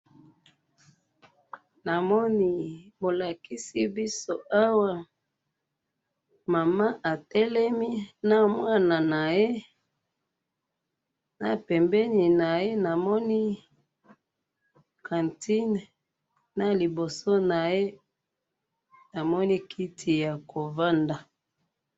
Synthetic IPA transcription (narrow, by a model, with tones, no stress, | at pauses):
na˨mɔ˦ni˦bo˨la˨ki˦si˦bi˦so˦ʔa˦wa˦ | ma˨ma˦ʔa˨tɛ˦lɛ˦mi˦na˦mwa˦na˨na˨je˦ | na˨pɛ˨mbɛ˦ni˨na˨je˦na˨mɔ˦ni˦ | kʰã˨nti˦n˨ | na˦li˨bo˨so˦na˨je˦ | na˨mɔ˦ni˦kʰi˦tʰi˨ja˨ko˨va˦nda˨